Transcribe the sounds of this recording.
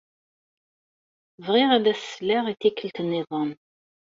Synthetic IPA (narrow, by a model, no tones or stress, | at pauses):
vʁiʁæðæsːlæʁiθikːəlt̪ənːɪðˤəm